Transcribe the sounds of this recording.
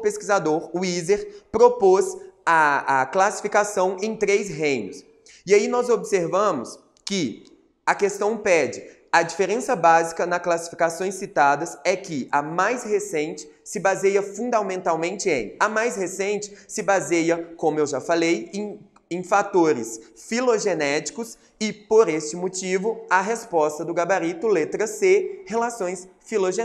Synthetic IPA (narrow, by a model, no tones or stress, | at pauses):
ʊpeskizad̪oɾuizeɾpɾopozɐɐklasi̥fikasɐ̃w̃ẽj̃t̪ɾesɦẽjnʊs | iainɔzobɪseɾvɐ̃mʊs | kɪ | ɐkest̪ɐ̃w̃pɛd͡ʒɪ | ɐd͡ʒifeɾẽsɐbazikɐnɐsklasi̥fi̥kasõj̃sit̪ad̪ɐsɛkɪʔɐmajshesẽnt͡ʃɪ̥ | sɪbazejɐfũd̪amẽnt̪awmẽnt͡ʃɪḛ̃j̃ɐmajshesẽnt͡ʃɪ̥sɪbazejɐkõmʊewʒafalejẽj̃ | ẽj̃fat̪oɾɪsfiloʒenɛt͡ʃi̥kʊs | ɪpoɾest͡ʃɪmot͡ʃivʊɐɦespɔst̪ɐd̪ʊɡabaɾit̪ʊlet̪ɾɐsehelasõj̃sfiloʒe